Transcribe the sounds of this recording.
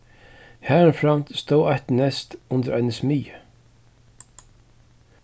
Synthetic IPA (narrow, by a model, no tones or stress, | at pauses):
haːɾnfɾam̥t̪st̪oːwajht̪nɛst̪ʊnt̪əɾʔanəsmiːjə